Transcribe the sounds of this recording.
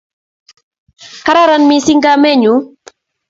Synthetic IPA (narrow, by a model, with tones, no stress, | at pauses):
ka˦ɾa˦ɾa˨nmi˦si˦ŋɡa˦mɛ˦ɲu˨˦